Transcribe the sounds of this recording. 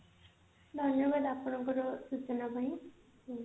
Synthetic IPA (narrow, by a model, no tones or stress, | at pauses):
d̪ʱʌnjɔbad̪apɔɽ̃ɔŋkɔɾɔsut͡ʃɔnabʱajĩ